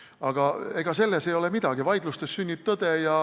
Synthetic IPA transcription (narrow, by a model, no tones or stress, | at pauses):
ɑɡ̥ɑe̞ɡ̥ɑse̞lːesejo̞lemid̪̥ɑɡ̥ivɑjd̪̥lust̪esːynʲːip̚t̪od̪̥ejɑ